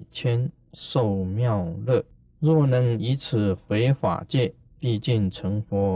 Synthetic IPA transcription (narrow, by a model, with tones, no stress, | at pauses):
t͡ɕʰjɛ˥n | ʂo˥˩ʊmjɑ˥˧ʊlɤ˥˩ | ɻwɔ˥˩nɤ˧˥ŋi˧˥t͡sʰɹ̩˨˩˦xfe˧˥ɪfa̰˨˩t͡ɕjɛ˥˧˨ | pi˥˧t͡ɕi˥˩nʈ͡ʂʰɤ˧˥ŋfɔ˧˥